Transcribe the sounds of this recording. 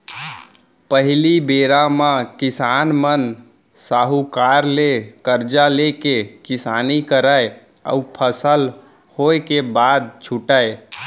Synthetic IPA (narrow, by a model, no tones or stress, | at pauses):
pəɦilibeɾamãkisanmən | saɦukaɾlekəɾd͡ʒalekekisanikəɾaj | a̰upʰəsəl | hoekebad̪̚t͡ʃʰuʈae